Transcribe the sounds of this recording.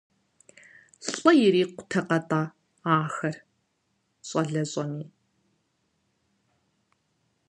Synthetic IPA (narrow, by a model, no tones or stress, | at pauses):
ɕʼɔjɪɾiːqʷʊ̥tʰɐqɐtʼaː | aːxɐr | ɕʼɐɮɐɕʼɐniː